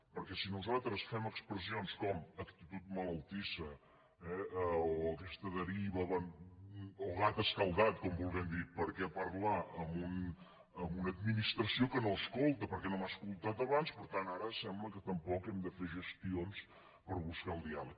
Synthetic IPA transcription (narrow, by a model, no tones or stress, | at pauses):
pəɾkɛsinuzalˠt̪ɾəsfɛməkspɾəsionskɔməkt̪it̪ut̪̚mələlˠt̪isə | ɛoəkɛst̪əðəɾiβəβən | oɣat̪əskəlˠd̪at̪kɔmbulˠɣɛmd̪ipəɾkɛpəɾlaʔəmbun | əmbunəd̪̚minist̪ɾəsiokənoskolˠt̪əpəɾkɛnomaskulˠt̪at̪əβanspəɾt̪anaɾəsɛmbləkət̪əmpɔkɛmd̪əfeʒəst̪ions | pəɾβuskaəlˠd̪ialək